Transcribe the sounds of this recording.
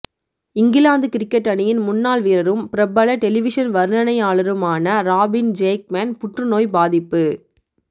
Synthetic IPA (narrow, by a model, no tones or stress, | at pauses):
ɪŋɡɪlaːnd̪ɯkɪɾɪkːɐʈːɐnɪjɪnmʊnːaːlʋiːɾɐɾɯmpɪɾɐbɐɭɐʈɛlɪʋɪʂɐnʋɐɾɯnɐnɐɪaːɭɐɾɯmaːnɐɾaːbɪnd͡ʒeːk̚meːnpʊʈrɯnoːjbaːðɪpːɯ